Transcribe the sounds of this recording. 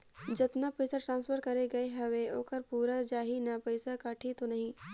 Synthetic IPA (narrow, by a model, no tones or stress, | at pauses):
d͡ʒɐt̪napɐɪsaʈɾãːnsfʰəɾkɐɾeɡɐeɦɐʋeoːkɐɾpuːɾad͡ʒaːɦinɐpɐɪsakaːʈʰit̪onɐɦĩː